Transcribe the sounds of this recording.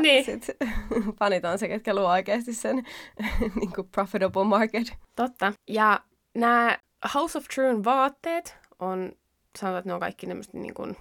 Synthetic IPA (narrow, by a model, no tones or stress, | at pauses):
niːsit̪pɑnit̪ɑːnseket̪̚kæluoikeːɑst̪issen | niːŋkuprofit̪obomɑrket̪t̪ot̪ːɑjɑ | næː | hɑwsoft̪ɹuːnʋɑːt̪ːeːt̪ | ʔon | sɑnoʋɑt̪neoŋkɑ̰ikːinemːø̰st̪nḭːŋkṵn